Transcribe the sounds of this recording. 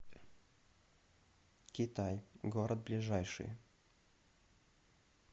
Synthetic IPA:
kʲɪt̪ajɡoɾəd̪̚blʲɪʐajʂɨ̰j

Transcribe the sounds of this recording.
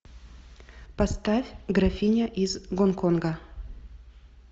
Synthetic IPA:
pɐst̪afʲɡɾafʲinʲɐʔizɡonkonɡə

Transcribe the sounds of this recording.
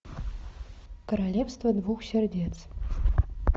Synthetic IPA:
kəɾalʲefst̪vəd̪vuxsʲerʲdʲet̪t͡s

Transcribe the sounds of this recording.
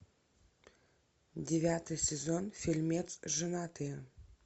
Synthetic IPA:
dʲevʲat̪ɨjsʲezonfʲilʲmʲet̪sʒɨnat̪ɨ

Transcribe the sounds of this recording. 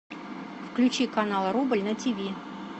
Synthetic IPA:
fklʲʉt͡ɕikanalˠɾubəlʲnətʲivʲi

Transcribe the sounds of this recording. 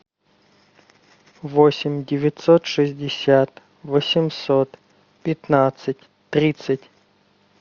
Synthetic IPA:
vosʲɪmʲdʲɪvʲɪt̪sot̪ʂɨzʲdʲɪsʲat̪ | vəsʲɪmsot̪ | pʲɪt̪nat̪sɨtʲ | t̪ɾʲit̪sɨtʲ

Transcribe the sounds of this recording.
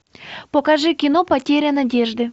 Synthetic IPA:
pokɐʐɨkʲɪnopɐtʲeɾʲɐnɐdʲeʐd̪ɨ

